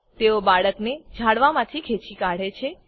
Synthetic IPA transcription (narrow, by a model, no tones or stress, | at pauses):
t̪eobaɭəkned͡ʒʱaɽʋamãt̪ʰikʰet͡ʃikaɽ̤et͡ʃʰe